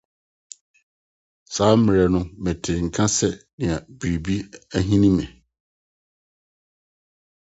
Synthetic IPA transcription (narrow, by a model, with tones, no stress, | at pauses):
saː˨˦mɪ˨ɾɛ˨nʊ̃˦mɛ̃˨tʰɪ˨ŋ̩˨kʰã˦sɛ˨nɪ̃˨a˨bi˨ɾi˨bi˦æ˦ɦĩ˦nĩ˦mɛ̃˨